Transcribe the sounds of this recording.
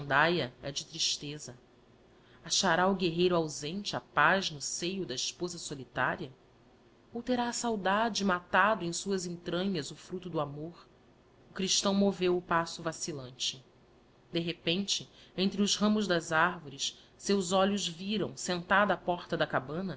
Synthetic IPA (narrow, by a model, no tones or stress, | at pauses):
ɐ̃nd̪ajɐɛ̰d͡ʒɪt̪ɾiʃt̪ezɐ | aʃaɾaʊɡeɦejɾʊawzẽnt͡ʃɪapaznʊsejʊd̪ɐiʃpozɐsolit̪a̰ɾiɐ | owt̪eɾaːsawd̪ad͡ʒɪmat̪ad̪ʊẽj̃suɐzẽnt̪ɾɐ̃ɲɐzʊfɾut̪ʊd̪ʊamoχ | ʊkɾiʃt̪ɐ̃w̃movewʊpasʊvasilɐ̃nt͡ʃɪ | d̪eɦepẽnt͡ʃɪẽnt̪ɾɪʊzɦɐ̃mʊʒd̪ɐzaɾvoɾis | sewzɔʎʊzviɾɐ̰̃w̃sẽnt̪ad̪ɐapɔχt̪ɐd̪ɐkabɐ̃nɐ